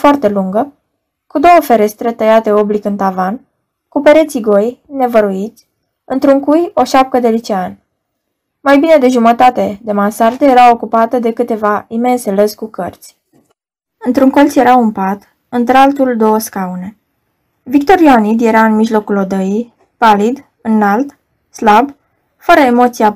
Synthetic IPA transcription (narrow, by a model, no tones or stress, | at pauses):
foart̪e̞luŋɡə | kud̪o̞wəfe̞ɾe̞st̪ɾe̞t̪əjat̪e̞o̞blikɨnt̪avan | kupe̞ɾe̞t̪siɡo̞jne̞vəɾuit̪sʲ | ɨnt̪ɾuŋkujo̞ʃap̚t̪əd̪e̞lit͡ʃean | majbine̞d̪e̞ʒumət̪at̪e̞d̪e̞mansart̪eje̞ɾaokupat̪əd̪e̞kɨt̪e̞vaime̞nseləzʲkukərt̪sʲ | ɨnt̪ɾuŋko̞ltsʲje̞ɾawɨmpat̪ | ɨnt̪ɾalt̪uld̪o̞wəskaune̞ | vik̚t̪o̞ɾjoanid̪je̞ɾaɨnmiʒlo̞kulo̞d̪əij | palid̪ | ɨnːalt̪ | slab | fəɾəemo̞t̪sia